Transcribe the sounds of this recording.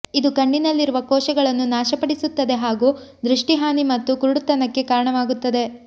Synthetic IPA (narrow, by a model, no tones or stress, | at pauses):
id̪ukɐɳɖinɐlːiɾuʋɐkɔːʃɐɡɐɭɐnːunaːʃɐpɐɽisut̪ːɐd̪e̞ɦaːɡuːd̪ɾuʂʈiɦaːnimɐt̪ːukuɾuɽut̪ɐnɐkːe̞kaːɾɐɳɐʋaːɡut̪ːɐd̪e̞